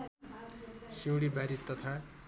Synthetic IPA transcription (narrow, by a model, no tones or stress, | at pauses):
siwɽibaɾit̪ʌt̪ʰa